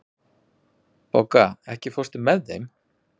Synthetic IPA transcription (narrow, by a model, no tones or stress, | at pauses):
powkaɛhcɪfost̪ɪmɛðːejm